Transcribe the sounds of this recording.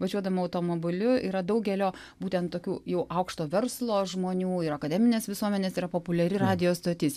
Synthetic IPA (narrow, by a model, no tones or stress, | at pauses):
ʋɐʒʲuɔd̪ɐmɐɐʊt̪oːmoːbʲɪlʲʊiːɾɐd̪ɐʊɡʲɛlʲoː | buːt̪ʲɛnt̪t̪oːkʲuːjɛʊʔɐʊkʃt̪oːʋʲɛɾslˠoːʒmoːnʲuːɪɾɐkɐd̪ʲɛːmʲɪnʲeːsʋʲɪsuɔmʲɛnʲeːsiɾɐpoːpʊlʲɛɾʲɪɾɑːd̪ʲɪjoːst̪oːt̪ʲɪs